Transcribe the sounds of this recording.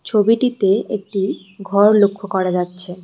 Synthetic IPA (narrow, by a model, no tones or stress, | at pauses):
t͡ɕʰobiʈit̪eek̚ʈi | ɡʱɔɾlokʰːokɔɾad͡ʑatːɕʰe